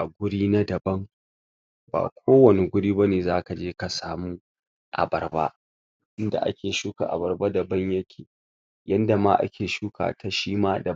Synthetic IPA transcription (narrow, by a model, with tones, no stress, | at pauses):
ʔa˨ɡʷʊ˦ɽiː˦na˦dɐ˨bɐ˦ŋ | ba̰ː˨kʷʰoː˦wɐ˨ne˨ɡʷʊ˦ɽiː˦ba˦neː˨zaː˦ka˨d͡ʒeː˦ka˨saː˨muː˦ | ʔa̰˨bɐ˨rba̰˦ | ʔɪ˦nda̰˨ʔa̰˦kʲeː˨ʃuː˦ka̰˨ʔa̰˨bɐ˨rba˦dɐ˨bɐ˦ɲjɐ˦kʲʰeː˨ | jɐ˦nda˨maː˦ʔa̰˦kʲʰeː˨ʃuː˦ka̰ː˨tʰa˦ʃiː˦maː˦dɐ˨